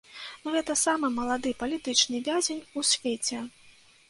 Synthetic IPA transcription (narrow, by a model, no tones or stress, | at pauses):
nuɣɛt̪ɐsamɨmɐlˠad̪ɨpɐlʲit̪ɨt͡ʂnɨvʲazʲenʲusʲvʲet͡sʲɛ